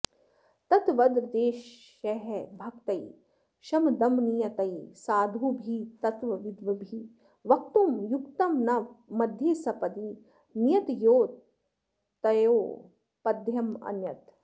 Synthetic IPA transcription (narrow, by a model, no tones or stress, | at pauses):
t̪ɐt̪ʋɐd̪ɾd̪eːʃ | ɐɦebʱɐkt̪ɐj | ʃɐmd̪ɐmnijɐt̪ɐjsaːd̪ʱuːbʱiːt̪ɐt̪ʋɐʋid̪ʋɐbʱi | ʋɐkt̪umjukt̪ɐmnɐmɐd̪ʱjeːsɐpɐd̪i | njɐt̪joː | t̪ɐjoː | pɐd̪ʱjɐmɐ̰njɐt̪